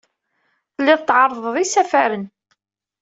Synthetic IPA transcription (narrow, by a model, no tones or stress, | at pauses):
θəlːɪðt̪ːʕɑɾˤːðˤəðˤisæfæɾən